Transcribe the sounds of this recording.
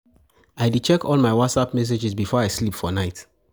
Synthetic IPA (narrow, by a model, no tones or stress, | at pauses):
aɪdut͡ʃɛkʰɔlˠmaɪwɔtsapmɛs̬ed͡ʒizbifɔaɪslipfɔnaɪt